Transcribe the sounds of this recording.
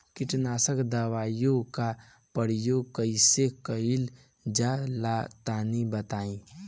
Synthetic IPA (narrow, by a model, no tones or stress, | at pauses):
kɪʈnaːsəkd̪awaːjõka | pəɽ̤jokəɪsekəil | d͡ʒalat̪aːnibət̪aːĩ